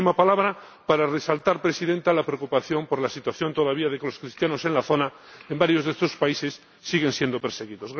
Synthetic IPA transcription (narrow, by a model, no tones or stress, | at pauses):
imapalaβɾa | paɾare̞salt̪aɾpɾe̞siðe̞nt̪alapɾeokupaθjo̞mpoɾlasit̪waθjo̞nt̪o̞ð̞aβ̞iaðe̞kelo̞skɾist̪jano̞se̞nlaθo̞na | embaɾjo̞zðest̪ospaise̞sː | iɣe̞nsje̞nd̪o̞peɾse̞ɣ̞iðo̞zɣ